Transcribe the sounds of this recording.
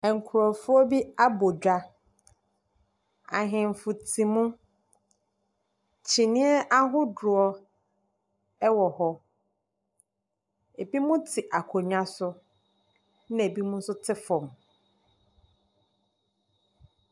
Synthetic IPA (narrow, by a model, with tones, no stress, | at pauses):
ɛ˨ŋ̩˨kʰʊ˨ɾɔ˨fʊ˦ɔ˦bi˦a˦bo˨d͡ʑᶣa˨ | a̰˨ɦɪ̃˨m˨fʊ˨tʰĩ˨mũ˦ | t͡ɕʰi˨nɪ̃˦ɛ˦ʔa˦ɦʊ˦dʊ˨ɔ˦ | ɛ˦wɔ˨ɦɔ˦ | e˨bi˦mũ˦tʰɪ˨ʔa˨kʰɔ˨ɲᶣ˦ã˦sʊ˦ | n˦ɛ˨bi˦mũ˦n̩˦sʊ˦tʰɪ˦fɔ̃˨m